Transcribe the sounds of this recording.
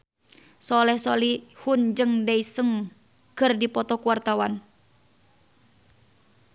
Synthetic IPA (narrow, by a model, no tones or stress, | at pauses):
sɔlɛhsɔlihund͡ʒɨŋdaisəŋ | kɨrdipɔt̪ɔkuwart̪awan